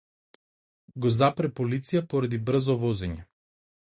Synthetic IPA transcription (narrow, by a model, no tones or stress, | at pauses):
ɡɔzapɾɛpolit̪sijapɔɾad̪ibɾ̩zɔvɔzɛɲɛ